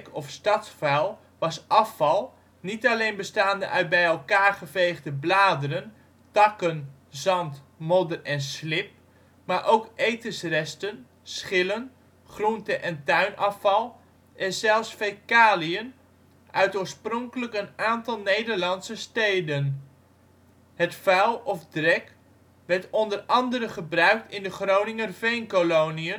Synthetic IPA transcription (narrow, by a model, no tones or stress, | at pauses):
kɔfstɑtsfɛlˠ | ʋɑsɑfɑlˠ | nitalejnbəstaːndə̰ʔœɥt̚bɛjɛlˠkaːɹχəvejɣdəblaːdəɾən | tɑkən | zɑnt | mɔdərɛnslɪp̚ | maɹʔowkʔejtəsrɛstən | sχɪlən | χruntəʔɛntœɥnʔɑfɑlˠ | ʔɛnzɛlˠfsfejkaːliən | ʔœɥtoːɹsprɔŋkələkənaːntɑlˠnejdəɹlɑnsəstejdən | hətfœwɔfdrɛk | ʋɛɹtɔndərɑndəɾəχəbrœɥk̚tɪndəχrownɪŋərvejnkolowniə